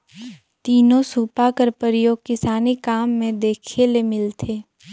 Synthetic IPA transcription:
t̪iːnõsuːpakəɾpəɾjoːɡ̚kɪsaːnikaːmːẽd̪eːkʰelemɪlt̪ʰeː

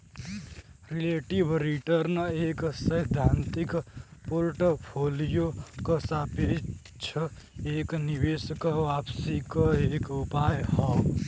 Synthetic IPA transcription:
ɾileʈibɾiʈəɾneksəjd̪ʱant̪ikpoɾʈopʰolijokəsape | t͡ʃʰəeknibeskəʋapsikəekupajɦəw

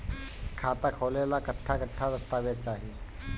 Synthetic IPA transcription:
kʰat̪akʰoʋlelakəʈʰːakəʈʰːad̪əst̪aʋjat͡ɕaɦie

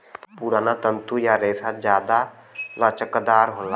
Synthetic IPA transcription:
puɾaːnat̪ənt̪ujaɾeːsad͡ʒjaːd̪a | lət͡ʃəkd̪aːɾɦola

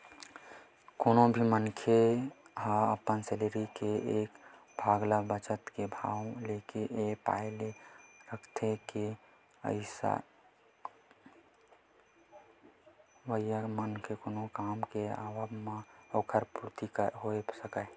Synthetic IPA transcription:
koːnobʱimənkʰeɦaəpənseleɾikeek | bʱaːɡlabət͡ʃət̪kebʱawlekeʔepa̰ɪleɾəkʰt̪ʰeke | ə̰ɪsa̰ | ʋəijamənkʰekoːnokaːmkea̰ːʋəbmaokʰəɾpuɾt̪ikɦoesəkə

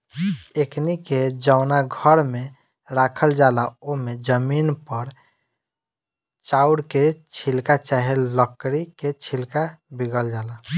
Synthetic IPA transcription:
ekniked͡ʒaʊnaɡʱəɾme | ɾakʰəld͡ʒalaomed͡ʒəminpəɾ | t͡ʃauɽket͡ʃʰilkat͡ʃaɦelləkɽiket͡ʃʰilkabiɡəld͡ʒala

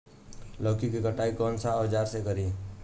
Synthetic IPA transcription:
ləːkikikəʈaːikɔːnsad͡ʒaːɾsekəɾi

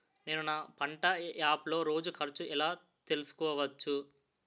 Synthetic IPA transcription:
ne̞ːnunapɐɳʈɐjaːplo̞ːɾo̞ːd͡ʒukʰɐɾt͡ʃuɛlaː | t̪e̞lusu̥kɔːʋɐt͡ʃːu

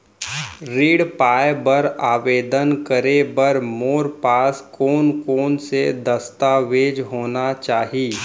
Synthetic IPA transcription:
ɾiːɽpaːejbəɾaːʋeːd̪ənkəɾebəɾmoːɾpaːskoːnkoːnsed̪ɐst̪aːʋeːd͡ʒɦoːnat͡ʃaːɦiː

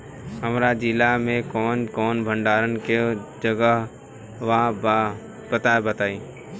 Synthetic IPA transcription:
ɦəmɾad͡ʒɪlamẽkɔːnkɔːnbʱə̃ɳɖaːɾənked͡ʒəɡəɦ | ʋã | bət̪abət̪aːiː

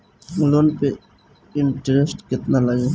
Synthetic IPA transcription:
mulonpe | ɪɳʈɾesʈkɪt̪nalaɡe

